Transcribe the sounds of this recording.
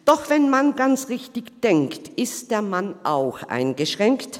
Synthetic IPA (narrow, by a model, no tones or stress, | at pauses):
d̥ɔχv̥ɛnmanɡant͡sʁɪçtɪçd̥ɛŋktʔɪstd̥eːɐmanʔaʊxʔa̰ɪnɡəʃʁ̥ɛŋkt